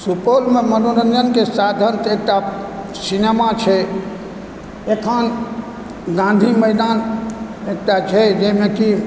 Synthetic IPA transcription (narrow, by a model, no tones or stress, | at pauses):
supolmemənonənd͡ʒənkesad̪ʱənt̪ek̚ʈa | sinemat͡ʃʰɛ | ekʰən | ɡãn̆d̪ʱiməjd̪anek̚ʈat͡ʃʰɛd͡ʒemeki